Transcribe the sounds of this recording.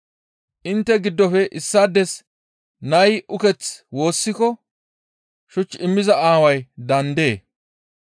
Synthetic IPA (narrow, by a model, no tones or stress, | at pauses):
ʔɪnt̪ːɛɡɪd̪ːɔfɛʔɪsːad̪ɛs | nɐjʔʊkɛt͡swo̞ːsːɪkɔ | ʃʊt͡ʃːɪmːɪzɐaːwɐjd̪ɐnd̪e̞ː